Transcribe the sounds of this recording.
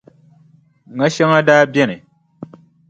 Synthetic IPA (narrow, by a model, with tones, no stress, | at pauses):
ŋa˦ʃe˦ŋa˦daː˦bjɛ˦nɛ˨